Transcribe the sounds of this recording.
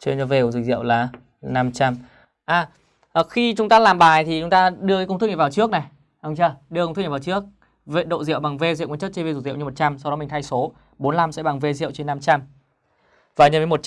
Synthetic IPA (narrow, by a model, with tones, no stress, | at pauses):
t͡ɕe˧nt͡ɕɔ˧ve˧˩˨zi˨˩zḭ˧˨ə˨wlaː˨˩ | na˧mt͡ɕa˧m | ʔaː˨˩ | ʔəː˨˩xi˧t͡ɕʊ˨˦ŋ͡mt̪aː˧laː˨˩mɓaː˨˩jt̪ʰi˨˩t͡ɕʊ˨˦ŋ͡mt̪aː˧ɗɨ˧əkkŋ͡mt̪ɨ˦˥ɲ˧˩vaː˨˩wt͡ɕɨ˦˥ək̚na˨˩j | ʔə˧wŋ͡mt͡ɕəː˧ɗɨ˧kŋ͡mt̪̚ʰɲː˧˨˩wt͡ɕɨ˦˥ək̚ | ve˧ɗo̰˧˨zḭ˧˨əwɓa˨˩ŋve˧zḭ˧˨kwt͡ɕə˦˥t̚t͡ɕe˧nve˧zu˧˩zḭ˧˨wɲɨ˧m˨˩t̚t͡ɕa˧msa˧wɗɔ˨˦mi˨˩ŋ̟t̪ʰa˧jso˨˦ | ɓo˨˦nla˧msɛ̰˧˥ɓa˨˩ŋve˧zḭ˧˨ə˨wt͡ɕe˧nːa˧mt͡ɕa˧m | vaː˨˩ɲə˧˩və˨˦mo˨˩t̚